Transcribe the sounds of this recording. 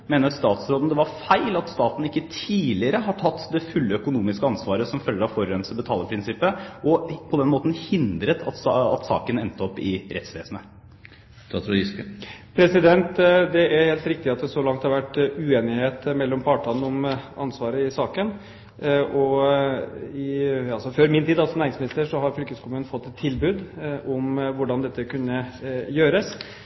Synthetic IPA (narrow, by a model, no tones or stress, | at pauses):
meːnəɾɑst̪ɑːt̪sɾoːn̩d̪ɛʋɑɾfæɪlɑt̪st̪ɑːt̪n̩ɪkːət̪ʰiːlɪəɾəɦɑʈʰɑt̪ːd̪ɛfʉlːəœkʊnuːmɪskəɑnsʋɑːɾəsɔmfœlːəɾɑʋfɔɾɾɛnsəbət̪ʰɑːləpʰɾɪnsɪpːəʔɔpʰɔd̪ɛnmoːt̪n̩hɪnd̪ɾət̪ʰɑt̪ɑ̰t̪sɑ̰ːkənɛnt̪əɔpːɪɾʔɛ̰t̪sʋeːsəm̩ə | t̪ʰːt̪ɪskpʰɾɛsɪd̪ɛnt̪d̪ɛʔæɾheːlt̪ɾɪk̚t̪ɪɑt̪̚d̪ɛsɔlɑŋt̪hɑɾʋæʈːʉeːnɪheːt̪mɛlːɔmpʰɑːʈɑnəɔmɑ̰nsʋɑːɾəɪsɑːkən | ʔɔ | ɪɑlsɔføɾmɪnt̪ʰiːd̪ɑlsɔmnæːɾɪŋsmɪnɪst̪əʂɔɦɑɾfʏlkəskʰɔmʉːnfɔt̪ːɛt̪ʰːɪlbʉːd̪ʔɔmʋʊɖɑnd̪ɛt̪ːəkʉnːəjøːɾəs